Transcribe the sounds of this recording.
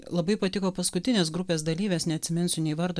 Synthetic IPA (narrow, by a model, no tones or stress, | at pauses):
lˠɐbɐɪpɐt̪ʲɪkoːpɐskʊt̪ʲɪnʲeːs̬ɡɾʊpʲeːsd̪ɐlʲiːʋʲeːsnʲɛɐt̪ʲsʲɪmʲɪnsʲʊnʲɛɪʋɐɾd̪oː